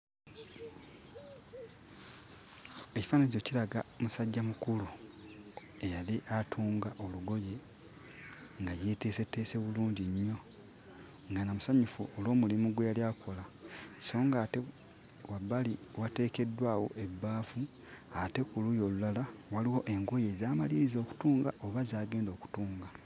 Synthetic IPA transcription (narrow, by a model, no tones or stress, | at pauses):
e̞ci̥faːnaɟo̞cilaɡamusaɟːamukulu | e̞jaliʔatʰuːŋɡaʔo̞luɡo̞je̞ | ŋɡajeteːse̞tːe̞ːse̞βuluːɲɟiɲːo̞ | ŋɡanamusaɲufuolo̞ːmulimuɡwejaljaːkʰo̞laso̞ːŋɡaːte | wabːaliwate̞ːke̞dːwaːwo̞ʔe̞bːaːfu | ate̞kulujo̞ːlulalawaliwo̞ʔe̞ŋɡoje̞zaːmaliɾizo̞ːku̥tuːŋɡa̰ʔo̞βazaːɡe̞ːndo̞ːku̥tuːŋɡa